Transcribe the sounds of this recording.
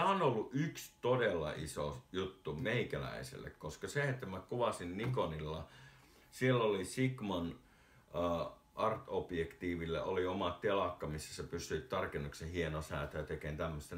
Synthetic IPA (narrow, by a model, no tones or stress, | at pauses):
æonolːuʔykst̪odelːɑ̰ʔiso̰jut̪ːumeikælæ̰isḛlːḛkkoskɑseet̪ːæmækuʋɑsinnikonilːɑ | sielːolisikmɑnː | ʔɑrt̪opjekt̪iːʋilːḛʔoliomɑttelɑkːɑmisːæsepysˑyit̪t̪ɑrkenːuksehienosæˑːt̪æjt̪ekent̪æmːøst̪e